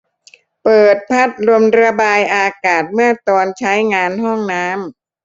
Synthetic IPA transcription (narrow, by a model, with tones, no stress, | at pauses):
pɤː˨˩t̪̚pʰa˦˥t̪̚lu˧əmɾa˧baː˧jʔaː˧kaː˨˩t̪̚mɯ˥˩ɐt̪ɔː˧nt͡ɕʰa˦˥jŋaː˧nɦɔ˥˩ŋnaː˦˥m